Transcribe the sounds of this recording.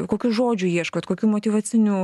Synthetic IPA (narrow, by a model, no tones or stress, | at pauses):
koːkʲuːʒoːd͡ʒʲʊjiɛʃkoːt̪koːkʲuːmoːt̪ʲiːʋɐt͡s̪ʲɪnʲuː